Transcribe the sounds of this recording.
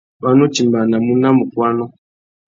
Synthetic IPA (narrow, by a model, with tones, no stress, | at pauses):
ba˦no˦t͡ʃi˨mba˨na˨mu˦na˦mu˨kwa˦nɔ˦